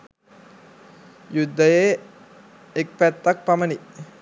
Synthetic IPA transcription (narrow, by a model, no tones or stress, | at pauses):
jud̪ːəje | ek̚pæt̪ːak̚paməni